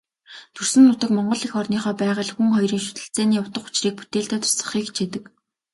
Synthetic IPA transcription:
t̪ʰɵrsɘ̆nːʊt̪ə̆kmɔɴɢɞ̆ɮixɔrniːχɔːpæːʁə̆ːɮxuŋχɔjriːŋʃʊ̥t̪ɘ̆ɬt͡sæːniːjʊw̥t̪ə̆χʊ̥t͡ɕriːk̚pu̥t̪eːɮt̪aːt̪ʰʊ̥sə̥̆χiːkt͡ɕʰit̪ɘ̆k

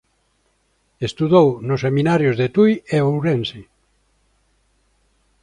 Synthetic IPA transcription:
est̪uðownʊsːeminaɾjozðet̪ujeowɾensi

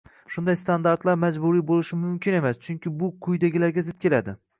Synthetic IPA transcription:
ʃʊnd̪ajst̪ʰand̪aɾt̪laɾmad͡ʒbʊɾijbolɪʃɪmʊmkʲɪne̞mast͡ʃʰʊŋkʲɪbʊqʰʊjd̪aɡʲɪlaɾɡʲazɪt̪̚kʲe̞lad̪ɪ

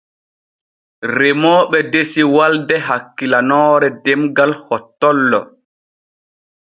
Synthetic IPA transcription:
ɾɛmɔːɓɛdesiwaldɛɦakːilanɔːɾɛdɛmɡalhɔtːɔlːɔ̰

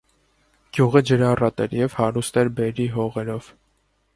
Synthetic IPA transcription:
ɡ̥juʁəd͡ʒəɾɑrɑt̪ɛ̰ɾjɛvhɑɾust̪ɛɾbɛɾiɦɔʁɛɾɔv̥

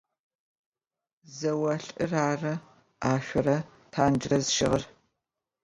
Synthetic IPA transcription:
zɐwɐɬʼɨraːrɐ | aːʃʷɔɾɐ | tʰaːnd͡ʒɪrɐzʃɪʁɐr

